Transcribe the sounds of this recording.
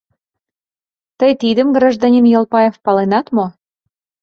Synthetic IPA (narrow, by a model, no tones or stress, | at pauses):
t̪əjt̪id̪ə̆mɡrɑʒd̪ɑnʲinjɑlpɑjefpɑlenɑt̪mo